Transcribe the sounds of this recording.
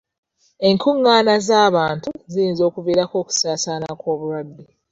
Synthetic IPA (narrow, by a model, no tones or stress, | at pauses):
e̞ŋkʰuŋːaːnazaːβaːntuzijiːnzo̞ːkuviːɾako̞ːku̥saːsaːnakwo̞ːβuɾwadːe